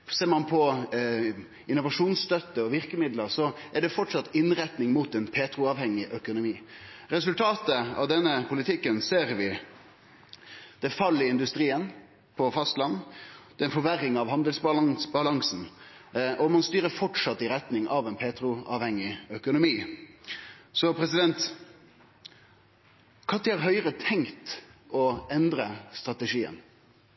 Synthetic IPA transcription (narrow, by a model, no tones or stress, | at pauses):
seːɾmɑnpʰɔ | ʔɪnːʊʋɑʂuːnsst̪œt̪ːəɔʋɪɾkəmɪd̪ləɾsɔæɖɛfɔʈʂɑt̪ːɪnːɾɛt̪nɪŋmuːt̪ɛnpʰeːt̪ɾʊɑʋhɛŋːɪʔœkʊnʊmiːɾɛsʉlt̪ʰɑːt̪əɑ̰ʋd̪ɛnːəpʰʊlɪt̪ʰɪkːənseːɾʋɪ | d̪̥ɛfɑlːɪɪnd̪ʉst̪ɾiːən | pʰɔfɑst̪lɑnːd̪ɛnfɔʋæɾɪŋɑʋhɑnd̪əlsbɑlsbɑlɑŋsn̩ | ʔɔmɑnst̪yːɾəɾfɔʈʂɑt̪ːɪɾɛt̪nɪŋʔɑʋɛnpʰeːt̪ɾʊɑ̰ːʋhɛŋːɪœkʊnʊmiː | sɔpʰɾɛsɪd̪ɛnt̪ | kʰɑt̪ːɪɑɾɦœʏɾət̪ʰɛŋt̪ɔɛnd̪ɾəst̪ɾɑt̪ɛʂiːə̰n